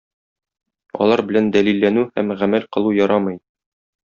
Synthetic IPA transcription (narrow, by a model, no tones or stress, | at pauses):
ɒ̰lˠɑɾbɘ̆lænd̪ælilːænʉhæmʁæmælqɤ̆lˠujɒɾɑmɤj